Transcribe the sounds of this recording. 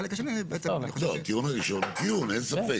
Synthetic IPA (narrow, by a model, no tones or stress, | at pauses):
elekaʃenibeet͡ssejxolot̪iunaʁiʃo̞nt̪iunensafe